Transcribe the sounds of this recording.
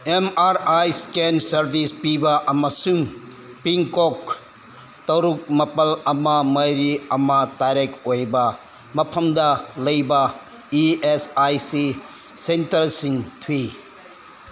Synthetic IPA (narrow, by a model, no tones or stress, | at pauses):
emaɾajskensɐɾbʱispibɐʔɐmɐsuŋ | piŋkok̚ | tɐwɾuk̚mɐpɐlɐmɐmɐjɾiɐmɐtaɾekojbɐ | mɐpʰɐmdɐlɐjbɐ | iesajsi | sentɐɾsiŋtʰwi